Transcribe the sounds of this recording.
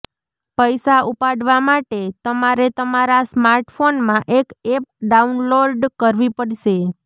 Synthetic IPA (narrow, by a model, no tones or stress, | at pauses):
pəjsaupaɽʋamaʈet̪əmaɾet̪əmaɾasmaɾʈfonmãʔekep̚ɖaunloɾɖkəɾʋipəɽʃe